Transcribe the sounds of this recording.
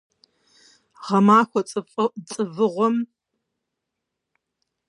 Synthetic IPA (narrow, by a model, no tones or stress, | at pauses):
ʁɐmaːxʷɔt͡sʼɨfʼt͡sʼɨvɨʁʷɔm